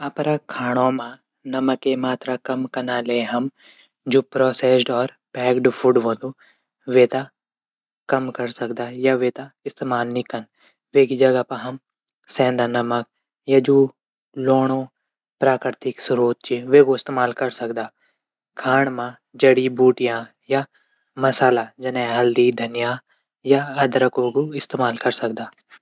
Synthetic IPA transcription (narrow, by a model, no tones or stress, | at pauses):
ɐpɾakʰaːɽ̃õmã | nɐməkːemaːt̪ɾakɐmkɐnaleɦɐm | d͡ʒoːpɾɔːseːsɖɔːɾ | pɛːkɖfʰuɖʋõːd̪u | ʋeːt̪a | kɐmkɐɾsɐkd̪aːjaʋeːt̪aɪst̪emaːlnĩkɐn | ʋeːkid͡ʒɐɡapɐɦɐm | sɛ̃ːnd̪aːnɐmək̚ | jad͡ʒuː | loːɽ̃õ | pɾaːkɾɾt̪ɪksʊɾuːt̪̚t͡ʃeʋeːkoɪst̪eːmaːlkɐɾsɐkd̪aː | kʰaːɳ̃mã | d͡ʒɐɽibuːʈɪjãː | ja | mɐsaːlad͡ʒɐnẽɦɐld̪id̪ʱɐnɪjaː | jaɐd̪ɾəkoːɡuɪst̪eːmaːlkɐɾsɐk̚d̪aː